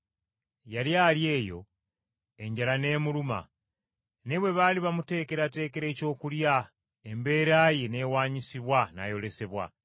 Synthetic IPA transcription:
jaljaːlje̞ːjo̞̰ | e̞ɲɟalane̞ːmuluma̰ | neβwe̞βaːliβamute̞ːke̞ɾate̞ːke̞ɾe̞ːco̞ːkulja | embe̞ːɾaːjene̞ːwaːɲisiβwana̰jo̞le̞se̞βwa̰

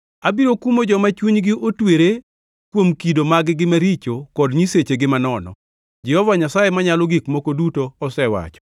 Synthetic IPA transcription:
abiɾokumod͡ʒɔmat͡ʃuɲɡɪʔotweɾe | kwomkidomaɡɡɪmaɾit͡ʃokɔdɲiset͡ʃeɡɪmanɔnɔ̰ | d͡ʒɛhɔvaɲasajemaɲalɔɡikmokodutoɔsɛwa̰t͡ʃɔ̥

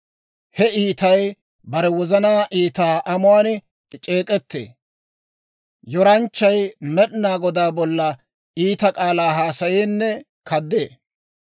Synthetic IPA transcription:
hɛiːt̪ɐj | bɐɾɛwɔzɐnaːʔiːt̪aːʔɐmʊwaːn | t͡ʃʼe̞ːkʼɛt̪ːḛː | jɔɾɐnt͡ʃːɐjmɛɗnaːɡɔd̪aːbɔlːɐ | ʔiːt̪ɐkʼaːlaːɦaːsɐjeːnːɛ | kʰɐd̪ːeː

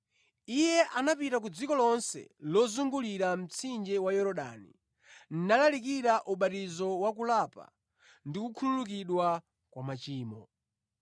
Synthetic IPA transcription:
ijɛʔanapitak̬ud͡zikɔlɔnsɛ̰lɔzuŋɡuliɾam̩t͡sʰind͡ʒɛwajɔɾɔɗa̰nḭ | n̩nalalik̬iɾaʔuɓatizɔwak̬ulapa̰ | ndikukʰululuk̬iɗwa | kwamat͡ʃiːmɔ

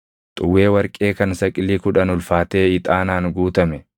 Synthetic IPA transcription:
t̪ʼʊwːe̞ːwɐɾkʼeːkɐnsɐkʼɪlːiːkʊᶑɐnʊlfaːt̪e̞ːɪt̪ʼaːnaːnɡuːt̪ɐmɛ

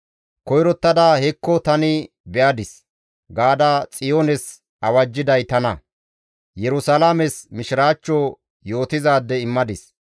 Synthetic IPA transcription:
kɔjɾɔt̪ːɐd̪aːhɛkːɔt̪ɐnɪ | bɛʔɐd̪ɪs | ɡaːd̪at͡sʼɪjoːnɛs | ʔɐwɐd͡ʒːɪd̪ɐjt̪ɐnɐ | jɛɾʊsɐlamɛsmɪʃɪɾaːt͡ʃːɔ | jo̞ːt̪ɪzaːd̪ːɛɪmːɐd̪ɪs

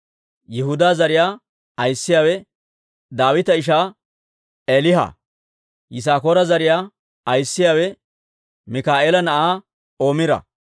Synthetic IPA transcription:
jɪhʊd̪aːzɐɾɪjaː | ɐjsːɪjaːwɛ | d̪aːwɪt̪ɐɪʃ̬aː | eːlɪɦa̰ː | jɪs̬aːkoːɾɐzɐɾɪjaː | ɐjsːɪjaːwɛ | mɪkaːʔeːlɐnɐʔaː | o̞ːmɪɾɐ̰

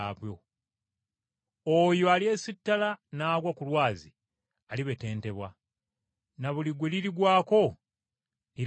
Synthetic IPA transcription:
βwjo | ojoalje̞sitːalanaːɡwakulwaːzi | aliβe̞te̞ːnte̞βwa | naβuliɡweliɾiɡwaːko̞ | iɾ

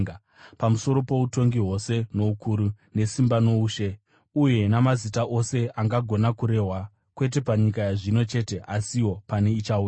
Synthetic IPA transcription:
pamuso̞ɾo̞po̞uto̞ŋɡiɦo̞se̞no̞ukʰuɾu | ne̞simbano̞uːʃe | uje̞namazitaʔo̞se̞ʔaŋɡaɡʱo̞nakuɾe̞ːɦwa | kwe̞t̬e̞paɲik̬ajaʐino̞t͡ʃe̞te̞ʔasiwo̞pane̞it͡ʃaua

